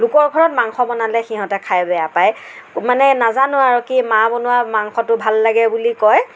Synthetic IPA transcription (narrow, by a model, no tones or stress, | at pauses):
lʊkɔɹɡʱɔɹɔt̚maŋxɔmɔnalɛxiɦɔ̃tɛkʰajbɛjapajmanɛnazanʊaɹukimabɔnʊwamaŋxɔtʊbʱalːaɡɛbulikɔj